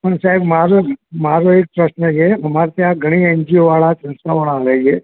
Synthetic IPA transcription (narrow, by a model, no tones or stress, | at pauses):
pəɳsaɦɛbmaɾomaɾoek̚pɾəʃnəd͡ʒeɦɐmaɾt̪jãɡʱəɽ̃iəɲd͡ʒioʋaɭat͡ʃɐ̃nsaʋaɭaːʋed͡ʒe